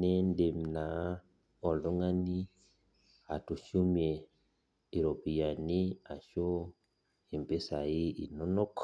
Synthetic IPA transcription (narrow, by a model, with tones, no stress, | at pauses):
nɛ˦nde˨mna˨ | ɔ˨nlɔ˦ŋa˦ni˦ | a˨tu˨ʃu˦m˦e˨ | i˨ɾo˨pi˨ja˨ni˦a˨ʃo˦ | i˨mpe˦sa˨i˦ʔi˨nɔ˦nɔ˦k